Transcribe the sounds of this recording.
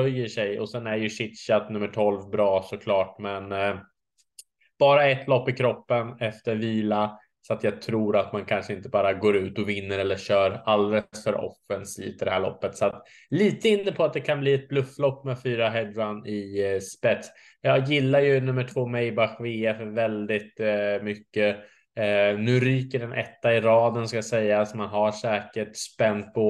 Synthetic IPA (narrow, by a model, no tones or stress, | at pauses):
œjːəʂɛjɔsɛnæjɵʂɪt̪ɕat̪nɵmːəʈʰɔlvbɾɑːsɔkʰlɑːʈ̚mɛn | b̥ɑːɾaɛt̪lɔpːɪkʰɾɔpːənɛft̪əɾviːla | sɔat̪jɑːɡt̪ʰɾuːɾat̪mankʰanʂəɪnt̪əbɑːɾaɡoːɾʉ̟ːt̪ɔvɪnːəɾɛlːəɕœːɾald̪ɛləsfœɾʔɔ̰fːənslḭːt̪əɖɛhæːɭɔ̰pːət̪sat̪ | liːt̪əɪnːəpʰɔat̪̚d̪ɛkʰanbliːɛt̪̚blɵfːlɔpːmɛfyːɾaɦɛd̪vanɪspɛt̪s | jɑːjɪlːajɵnɵmːəʈʰvoːmɛjbaxveːafœɾvɛld̪ɪt̪mʏkːə | nʉ̟ːɾyːkəɖɛnʔɛ̰t̪ːaɪɾɑːd̪ənskajasɛjːasmanɦaʂɛːkəʈspɛnt̪̚pʰɔ